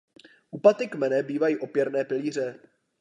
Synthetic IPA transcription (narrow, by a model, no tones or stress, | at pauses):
ʔupat̪ɪkmɛnɛbiːvajiːʔo̞pjɛɾnɛːpɪliːr̝ɛ